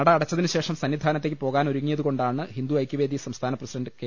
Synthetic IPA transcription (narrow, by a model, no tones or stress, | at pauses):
ɐɽɐɐɽɐt͡ɕːɐðinuɕe̞ːʂɐmsɐnːid̪ʱaːnɐt̪ːekːɨpo̞ːɣaːnoɾuŋːijɐðuɣo̞ɳɖaːɳɨhind̪uɐjkːuʋeːd̪isɐmst̪ʰaːnɐprɐsiɖɐɳɖɨke